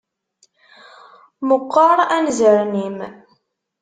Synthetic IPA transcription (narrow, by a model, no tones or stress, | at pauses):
mʊqːɑɾˤænzəɾnim